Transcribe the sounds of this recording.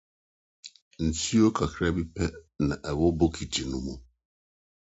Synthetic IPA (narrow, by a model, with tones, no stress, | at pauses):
n̩˨tʰi˦o˦kʰa˨kʰɾa˦bi˦pʰɛ˦nã˨ʔɛ˨wɔ˦bo˦kʰi˨tʰi˨nũ˦mũ˦